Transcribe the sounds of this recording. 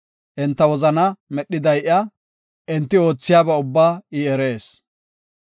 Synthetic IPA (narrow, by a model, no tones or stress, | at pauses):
ʔɪnt̪ːɐwɔzɐnɐmɛɗːɪd̪ɐjʔɐ | ʔɪnt̪ːɪo̞ːt͡sːɪjaːbɛʊbːaːiɛɾe̞ːs